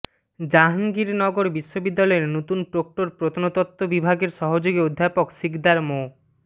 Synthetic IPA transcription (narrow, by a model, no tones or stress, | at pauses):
d͡ʑaɦaŋɡiɾnɔɡoɾbiʃːobid̪ːalɔeɾnot̪unpɾok̚ʈoɾpɾot̪ʰonot̪ɔt̪ːobibʱaɡeɾʃɔɦod͡ʑoɡiod̪ʱːapokʃikd̪aɾmo